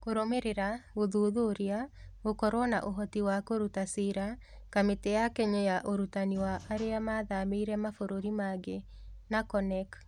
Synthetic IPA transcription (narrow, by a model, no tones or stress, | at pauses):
koɾomeɾeɾaɣoðoðoɾeaɣokɔɾwɔna̰ʔoɦɔtiwakoɾutasiɾa | kametejakɛɲɔjaʔoɾutaniwaʔaɾeamaːðameiɾɛmafoɾoɾimaɡenakɔnɛk